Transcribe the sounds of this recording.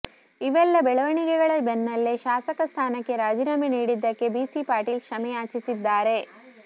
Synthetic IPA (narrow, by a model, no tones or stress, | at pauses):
iʋɛlːɐbɛɭɐʋɐɳikɛɡɐɭɐbenːɐlːeʃaːsɐkɐst̪ʰaːnɐkːe̞ɾaːd͡ʒiɾaːmeniːɽid̪ːɐkːe̞biːsipaːɾʈiːlkʂɐmɛjaːt͡ʃisid̪ːaːɾe̞